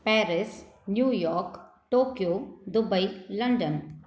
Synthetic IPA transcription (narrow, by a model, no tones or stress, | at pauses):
pɛːɾɪs | njuːjɔːɾk | ʈoːkjoːd̪ʊbəilɐɳɖən